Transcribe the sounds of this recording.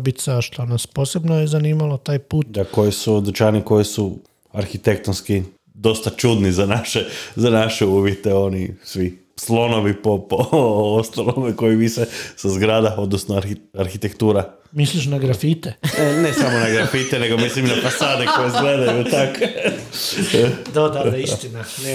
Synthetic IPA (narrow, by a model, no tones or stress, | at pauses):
bit̪saʃlanaspo̞ːsebnojezaniːmalˠot̪aːjpuːt̪d̪ako̞jisud̪ɾt͡ʃaniko̞jisu | aɾxit̪e̞kt̪onski | d̪o̞st̪at͡ʃud̪nizanaʃezanaʃeuːʋjet̪eo̞nisʋi | slˠo̞no̞ʋipopoost̪alˠomeko̞jiʋisesazɡɾad̪ao̞d̪nosnoaɾxit̪ekt̪uːɾa | misliʃnaɡɾafit̪enenesamonaɡɾafit̪ene̞ɡomislimnafasaːd̪eko̞jezɡled̪ajut̪ake | d̪ad̪ad̪aist̪ina | ne